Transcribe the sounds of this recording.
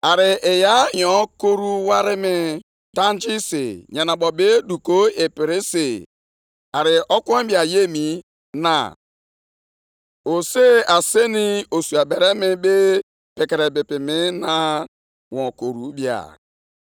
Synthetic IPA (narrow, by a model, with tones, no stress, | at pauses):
a˨ɾɪ˨ʔe˨ja˦jɔ̃˨˦ko˦ɾu˦wa˦ɾɪ˦mɪ˦ | da˦nd͡ʒi˦sḛ˨ɲa˨na˨bɔ˨be˦du˨ko˦e˨pɪ˨ɾi˦se˨ | a˨ɾɪ˨ʔɔ˦kɔ˦bi˨a˨je˦mi˨ | na̰˨ | o˨se˦a˨se˦ni˦o˨su˨a˨bɛ˨ɾɛ˦mɪ˦be˦ | pe˨kɛ˨ɾe˨bɪ˨pɪ˨mɪ˦na˦ | wɔ̃˨ko˨ɾu˨bi˦a̰˨